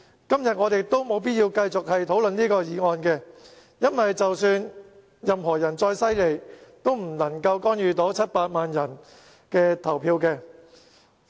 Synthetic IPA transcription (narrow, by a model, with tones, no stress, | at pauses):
kɐ˥mjɐ˨t̚ŋɔː˨˧t̪e˨jt̪o˥wmo˨˧wp̬iː˥t̚jiː˧wkɐ˧jt͡sʊ˨k̚hɐ˨jt̪ʰo˨˥wlɵ˨nniː˥kɔː˧jiː˨˧ŋɔː˨nkɛː˧ | jɐ˥nwɐ˨jt͡sɐ˨wsyː˧n | jɐ˨mɦɔː˨˩jɐ˨˩nt͡sɔː˧jsɐ˥jle˨˩jt̪o˥wm̩˨˩nɐ˨˩ŋkɐ˧wkɔː˥njyː˨˧t̪o˨˥wt͡sʰɐ˥t̚paː˧t̚maː˨njɐ˨˩n | kɛː˧t̪ʰɐ˨˩wpʰiː˧wkɛː˧